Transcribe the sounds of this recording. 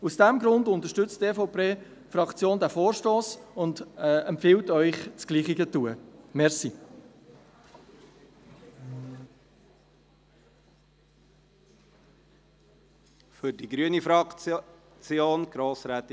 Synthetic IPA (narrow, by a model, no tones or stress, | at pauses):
usd̥ɛmɡɾʊndʊnt̪əʃtʏt͡stefoʊpʰeː | fɾɑkt͡sjoːndæfoːɾʃtoːsʊndɛmpfɪltœʏχt͡sɡ̥liːχɪɡətuəmɛɾsi | fʏɾdiɡɾyənifɑ | t͡sjoːnɡ̥ɾoːsɾɛːt̪